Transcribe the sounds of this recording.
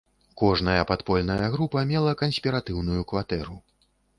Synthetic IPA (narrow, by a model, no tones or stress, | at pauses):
kɔʐnɐjɐpat̪pɔlʲnɐjɐɣɾupɐmʲɛlˠɐkɐnsʲpʲiɾat̪ɨwnujukvat̪ɛɾu